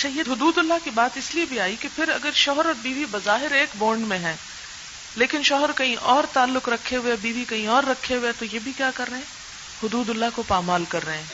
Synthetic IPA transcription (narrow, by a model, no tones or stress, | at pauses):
ɐtʃʰaːjeɦʊd̪uːd̪ʊlːakibaːt̪ɪsliebʱiaːikepʰɪɾɐɡəɾʃɔɦɾɔːbiːʋibɐzaːɦɪɾeːkboːɾɳɖmẽɦɛ̃ː | leːkɪnʃɔɦəɾkɐɦĩʔɔːɾt̪aːlːʊkɾɐkʰːeɦʊebiːʋikɐɦĩɔːɾːɐkʰːeɦʊet̪ojebʱikjaːkɐɾːɐɦeɛ̃ː | hʊd̪uːd̪ʊlːakopaːmaːlkɐɾːɐɦeɛ̃ː